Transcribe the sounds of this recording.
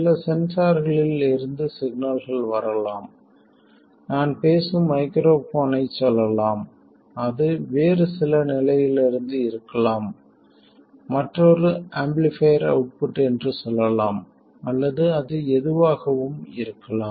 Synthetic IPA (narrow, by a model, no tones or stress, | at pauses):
sɪlɐsɛnsaːɾɣɐɭɪlɪɾɯnd̪ɯsɪɡ̚naːlɣɐɭʋɐɾɐlaːm | naːnpeːsɯmːɐɪkɾoːfoːnɐɪt͡ʃːɔlːɐlaːm | ɐðɯʋeːɾɯsɪlɐnɪlɐjɪlɪɾɯnd̪ɯɪɾɯkːɐlaːm | ɐʈrɔɾɯɐmblɪfɐjɐɾɐ̰ʊʈ̚pɪʈːɯɛndrɯsɔlːɐlaːm | ɐlːɐðɯɐðɯɛðɯʋaːɣɐʋɯmɪ̰ɾɯkːɐlaː